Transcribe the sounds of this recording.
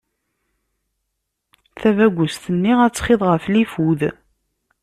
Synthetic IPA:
θævæɡʷːʊst̪ənːiʁæt͡sːχɪðˤʁəflifuð

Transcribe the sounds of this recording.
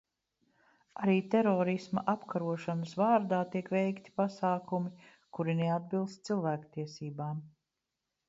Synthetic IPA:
aɾiːt̪ɛɾɔːɾisma̰ʔapkʰaɾuɔʃanəsvaːɾd̪aːt̪iɛkʋɛjkt̪i̥pasaːkumi | kuɾinead̪̚bilˠst̪̚silˠvæːkt̪iɛsiːbaːm

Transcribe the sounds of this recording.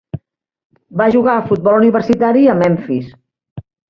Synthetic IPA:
baʒuɣaəfut̪̚bɔlˠuniβərsit̪aɾiəmɛɱfis

